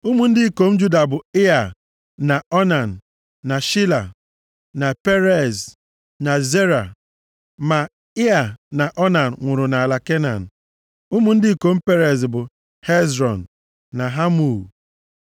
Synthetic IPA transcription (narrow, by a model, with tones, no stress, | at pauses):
u˦mu˨n̩˦dɪ˦ko˨m̩˦d͡ʒu˦da˨bʊ˨ɪ˦a˨ | na˨ɔ˦na˨n̩˨ | na˨ʃi˦la˨ | na˨pe˦ɾe˨z | na˨ze˦ɾa˨ | ma˨ | ɪ˦a˨na˨ʔɔ˦na˨n̩˨ŋʷʊ˨ɾʊ˨na˨a˨la˨ke˦na̰˨n̩˨ | u˦mu˨n̩˦dɪ˦i˦˨ko˨˦m̩˦pe˦ɾe˨zbʊ˨ | he˦zɾɔ˨n̩˨ | na˨ɦa˦mu˨